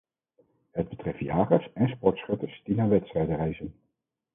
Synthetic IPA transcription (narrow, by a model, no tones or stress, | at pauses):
ɦəd̚bətrɛftjaːχərsɛnspɔɹtsχɵtəsd̥inaːʋɛtstrɛjdərɛjzən